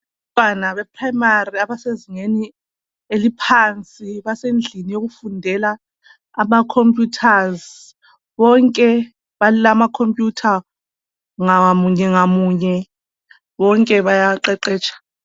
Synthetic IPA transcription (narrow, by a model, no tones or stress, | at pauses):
ɔtʼwanaβɛpʰrajimariaβaseziŋeni | elipʰant͡sʼiβasend͡ɮʱinijoɣufundʱɛlaː | makʰompʼjutʰaz | βɔŋkʼɛ | βalulamakʰompʼjutʰa | ŋamuɲɛŋamuɲɛ | βɔŋkʼɛβajaǃɛǃɛːt͡ʃʰʼḁ